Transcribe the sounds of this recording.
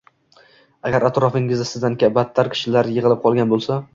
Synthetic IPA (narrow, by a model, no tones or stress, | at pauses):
aɡʲaɾat̪ɾɒfɪŋɪzɪsɪzd̪ankʲabat̪ʰːaɾkʲʰɪ̥ʃɪlaɾjɪʁɨlˠɪp̚qʰɒlˠɡʲanbolˠsa